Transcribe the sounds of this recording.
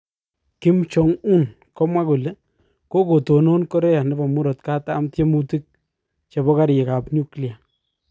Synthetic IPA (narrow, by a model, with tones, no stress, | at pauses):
kɪ˦mt͡ʃo˨ŋu˦n | kɔ˦mwa˦ku˨le˦ | ko˦ko˨to˨no˦nkɔ˦ɾe˦ja˨nɛ˦ba˨mu˦ɾo˨tka˦taː˦mtje˦mu˦ti˦k̚ | t͡ʃe˨bɔ˦ka˦ɾje˨ka˨pɲu˦kli˨a˨